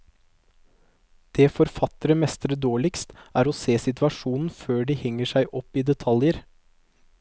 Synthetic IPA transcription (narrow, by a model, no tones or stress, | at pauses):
d̪̥eːfɔɾfɑt̪əɾəmɛst̪əɾəd̪oːɭɪkst̪ʔæːɾoːseːsɪt̪ʋɑʂuːnn̩føːɖiːhɛŋːəʂæɪʔɔpːiːd̪ɛt̪ʰɑljəɾ